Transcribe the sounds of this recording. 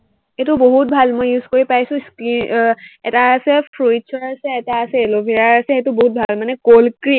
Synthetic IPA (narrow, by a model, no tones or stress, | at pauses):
etuboɦut̚bʱalmojuz̥koɹipajsʊ̃skɹinɛ̰taːsɛpʰɹujt͡ʃʰɔɹasɛːtaːsɛelobʱiɹaɹasɛxetʊboɦut̚bʱalmanɛkolkɹi